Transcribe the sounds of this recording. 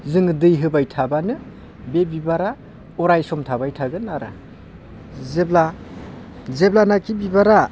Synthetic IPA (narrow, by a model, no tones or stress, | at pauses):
zɯŋdɯjɦɯbajtʰabanɯ | bebibaɾa | ɔɾajsɔmtʰabajtʰaɡɯnaɾa̰ | zebla | zeblanakibibaɾa